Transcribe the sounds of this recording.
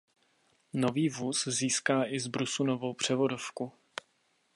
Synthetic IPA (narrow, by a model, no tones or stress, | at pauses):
no̞viːvuːsziːskaːʔɪzbɾusunovo̞wpr̝̥ɛvo̞do̞fku